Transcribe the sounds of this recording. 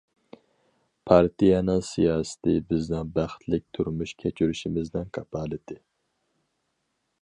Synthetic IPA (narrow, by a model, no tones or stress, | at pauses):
pʰɑɾt̪ʰijɛnɨŋsijɑːsɨ̥t̪ʰɪbɪznɨŋbæχt̪ʰlɪk̚ʲt̪ʰuɾmyʃkʲʰɛt͡ʃʰyɾyʃimɪznɪŋkʰɑpʰɑːlɨd̪ɪ